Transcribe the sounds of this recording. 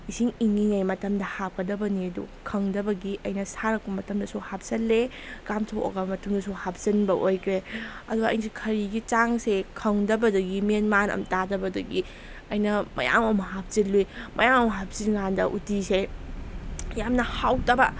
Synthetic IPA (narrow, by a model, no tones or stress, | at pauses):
isiŋiŋːiŋajmɐtɐmdɐhap̚kɐdɐbɐniɐdṵkʰɐŋdɐbɐɡiʔɐjnɐsaɾɐkpɐmɐtɐmdɐsuhap̚sɐlːe | kamtʰowo̰ɡɐbɐmɐtuŋdɐsuhap̚zɐnbɐʔojkʰɾeɐ̰duɡɐ̰ːjns̬ʰikʰɐɾiɡit͡ʃaŋsekʰɐŋdɐbɐdɐɡimenmanɐ̰mtadɐbɐdɐɡi | ɐjnɐmʔɐ̰ja̰mɐmɐɦap̚zilːujmʔɐ̰jamɐmɐɦap̚siŋandɐ̰ʔutise | jamnɐhawtɐbɐ